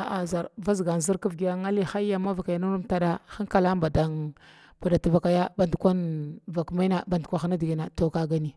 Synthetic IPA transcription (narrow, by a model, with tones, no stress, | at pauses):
a˨ʔa˨za˨ɾva˦zɡa˨n˨zi˦ɾku˦vɡi˨ja˦ŋa˦li˦xa˦a˦ma˦va˨ka˨ja˨nu˦ɾu˦mta˦da˦xa˦ŋka˨la˦mba˨da˨ŋ | b̥a˨da˨ta˨va˨ka˨ja˦ba˨ndkʷa˦nva˨kma˦na˦˨ɓa˨ndkʷa˨xa˦na˦di˨ɡi˨na˨to˨ka˦ɡa˦ni˨